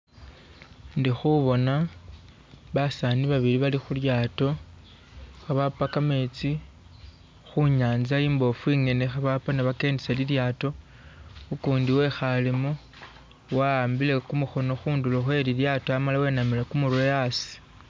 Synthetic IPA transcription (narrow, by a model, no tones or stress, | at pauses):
ndixuβo̞na | βasaniβaβiliβalixuljaːto̞ | xaβapakame̞t͡si | xuɲaːnzaiːmbo̞fuiŋe̞ne̞xaβapaneβake̞ːndiseliljaːto̞ | ukuːndiwe̞xalimu | waːmbile̞kumuxo̞no̞xuːnduloxwe̞liljaːtoamalawe̞namilekumuɾuojasi̥